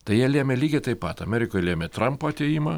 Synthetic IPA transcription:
t̪ɐɪjiɛlʲiɛmʲɛlʲiːɡʲɛt̪ɐɪpɐt̪ɐmʲɛːɾʲɪkoːjlʲeɛmʲɛt̪rɐmpoːɐt̪ʲejimɐ

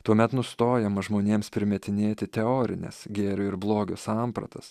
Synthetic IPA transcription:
t̪uɔmʲɛt̪nʊst̪oːjɛmɐʒmoːnʲeːmspʲɾʲɪmʲɛt̪ʲɪnʲeːt̪ʲɪt̪ʲɛoːɾʲɪ̰nʲɛ̰sɡʲeːɾʲʊɪɾblˠoːɡʲʊsɑmpɾɐ̰t̪ɐs

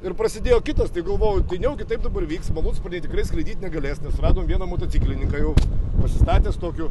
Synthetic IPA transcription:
ɪɾpɾɐsʲɪd̪ʲeːjoːkʲɪt̪ɐst̪ɐɪɡɐlˠʋoːjʊt̪ɐɪnʲɛʊkʲɪt̪ɐɪp̚d̪ɐbɐɾʋʲiːkst̪mɐlˠuːnspnʲɛɪt̪ʲɪkɾɐɪsklʲˠɐɪd̪ʲiːt̪ʲnʲɛɡɐlʲeːsnʲɛsrɑːd̪oːmʋʲiɛnɐmoːt̪oːt͡s̪ʲiːklʲɪnʲɪŋkɑːjɛʊpɐsʲɪst̪ɑːt̪ʲeːst̪oːkʲʊ

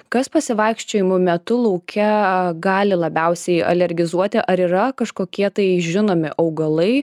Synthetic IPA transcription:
kɐspɐsʲɪʋɐɪkʃʲt͡ʃʲoːjɪmʊmʲɛt̪ʊlˠɐʊkʲʰɛɡɑːlʲɪlˠɐbʲɛʊsʲɛɪɐ̰lʲɛɾʲɡʲɪzuɔt̪ʲɪʔɐɾiːɾɐkɐʃkoːkʲiɛt̪ɐɪʒʲɪnoːmʲɪʔɐʊɡɐlˠɐɪ

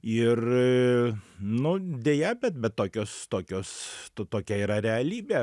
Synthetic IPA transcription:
ɪr | nʊd̪ʲeːjɛbʲɛt̪bʲɛt̪toːkʲoːst̪oːkʲoːst̪ot̪oːkʲɛiːɾɐɾʲɛɐlʲiːbʲeː

